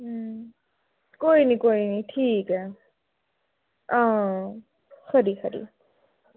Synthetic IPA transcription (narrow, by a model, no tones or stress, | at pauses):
koinikoiniʈʰike | ʌ̃ | kʰʌɾikʰʌɾḭ